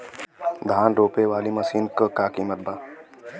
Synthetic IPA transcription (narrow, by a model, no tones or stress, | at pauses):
d̪ʱaːnɾoːpeʋaːlimɐsiːnkakaːkiːmət̪̚baː